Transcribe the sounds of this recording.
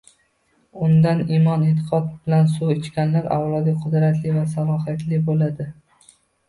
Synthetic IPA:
ʊnd̪animɒnet̪ʰɪ̥qʰɒt̪̚bɪlansuɪt͡ʃkʲanlaɾa̰wlˠɒd̪ɪqʰʊd̪ɾat̪lɪvasalˠɒɦjat̪ʰlɪbolad̪ɪ

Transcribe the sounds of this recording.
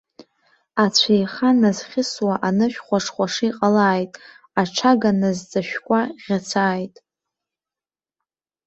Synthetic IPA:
at͡st͡ɕʷʰajχanazχʲɪswaʔanɨʃᶣχʷaʂʰχʷaʂijqʼalaːjtʼ | aʈ͡ʂʰaɡanazd͡zʼaʃᶣkʷʼaʁʲat͡sʰaːjtʼ

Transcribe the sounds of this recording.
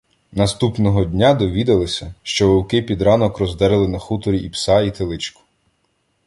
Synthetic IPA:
nɐst̪upnɔɦɔd̪ʲnʲad̪ɔʋʲid̪ɐlˠɪsʲɐʃt͡ʃɔʋɔwkɪpʲid̪ɾɑnɔkrɔzd̪ɛɾelˠɪnɐxut̪ɔɾʲiipsɑit̪elˠɪt͡ʃkʊ̥

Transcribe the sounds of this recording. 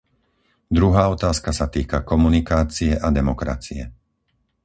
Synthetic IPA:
d̪ɾuɦaːɔt̪aːskasat̪iːkakɔmunikaːt͡siɛʔad̪ɛmɔkɾa̰t͡siɛ

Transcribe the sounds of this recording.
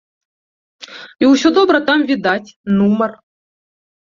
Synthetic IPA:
iusʲod̪obɾət̪amvʲid̪atʲnumər

